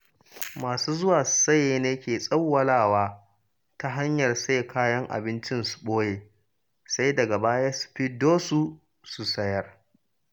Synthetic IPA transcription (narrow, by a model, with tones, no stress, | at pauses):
maː˨suː˦zʊ˦waː˨ssɐ˦jeː˦neː˦kʲeː˨sʼɐ˦wːɐ˦laː˦˨waː˦ | ta˦ɦa˦ɲjɐ˨rsɐ˦je˨kaː˦jɐ˦ŋʔa̰˨bɪ˦nt͡ʃɪ˦nsu̥˨ɓoː˦jeː˨ | sa˦jdɐ˨ɡa˨baː˦ja˦su̥˨ɸi˦doː˦su˦ | su˨sɐ˦jɐ˦r